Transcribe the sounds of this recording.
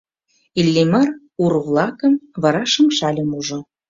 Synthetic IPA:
ilʲːimɑr | urβlˠɑkəmvɑɾɑʃə̆mʃɑlʲɤ̆muʒŏ

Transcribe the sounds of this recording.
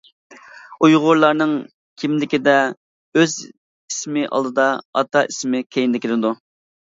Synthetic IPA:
ujʁʊɾlˠɑɾnɨŋ | kʲʰimlɪkʲid̪ɛ | øz | ismɪʔɑ̰lˠd̪ɨd̪ɑɑ̰t̪ʰɑismɪkʲʰejɪnd̪ɪkʲʰɪlɪd̪u

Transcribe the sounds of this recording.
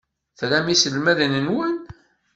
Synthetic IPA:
θɾæmisəlmæðənənwən

